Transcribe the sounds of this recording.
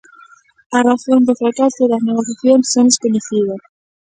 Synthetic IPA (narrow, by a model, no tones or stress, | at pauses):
ɐraθõnd̪ʊfɾakasʊðɐzneɣoθjaθjoŋsːoneskoɲeθiðɐs